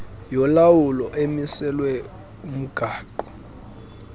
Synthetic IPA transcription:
jɔlawulɔʔemisɛlwɛ | um̩ɡ̥ʱaːǃɔ̥

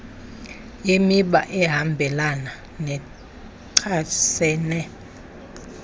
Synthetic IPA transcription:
imiɓa̰ʔɛɦambʱɛlana | nɛ | ǀʰasɛːnɛ

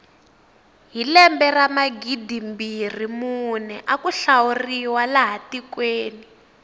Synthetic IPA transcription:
ɦilɛmbɛramaɡidimbir̤imunɛʔakuɬawuriwalaɦatikweːni

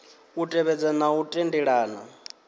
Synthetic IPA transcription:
utʼɛβɛd͡zɛnautʼendiɺaːna̰

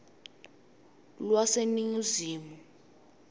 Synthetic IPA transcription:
lwaseniŋuziːmu

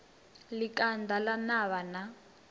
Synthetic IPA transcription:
likʼandalanaβana

